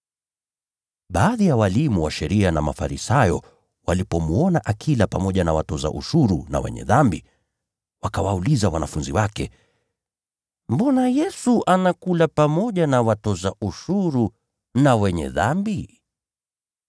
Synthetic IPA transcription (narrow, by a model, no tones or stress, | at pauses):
ɓaːðijawalimuwaʃɛɾianama̰fa̰ɾisajɔ | walipɔmuɔnaʔakʰilapamɔʄanawatɔza̰ʔṵʃuɾuna̰wɛ̰ɲɛ̰ðambi | wakawaulizawanafunziwakɛ | mbɔnajɛsuʔanakulapamɔʄanawatɔzaʔuʃuɾu | nawɛɲɛ̰ðambi